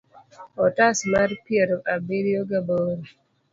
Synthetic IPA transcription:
ɔtasmaɾpjeɾoʔabiɾijoɡaboɾi

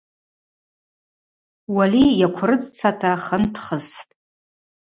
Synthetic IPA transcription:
walijakʷʰrɨt͡sʼt͡sʰatʰaχəntʰχəstʼ

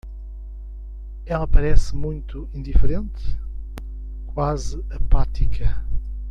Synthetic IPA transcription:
ɛlˠɐpɐɾɛsmũj̃t̪uĩnd̪ifɾẽnt̪ | kwazɨɐpat̪ikʰɐ

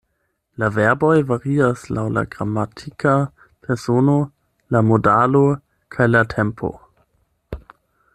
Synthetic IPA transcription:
laveɐbojvaɾiaslawla̰ɡʁamːatʰika | pʰeɾsono | lamodalo | kʰajlatʰempʰo̞̰

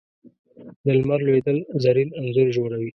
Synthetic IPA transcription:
d̪əlmaɾlwed̪əlzaɾinanzʊɾʒoɽawi

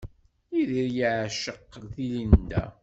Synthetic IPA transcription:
iðiɾjəʕʃəqːθilind̪æ̰

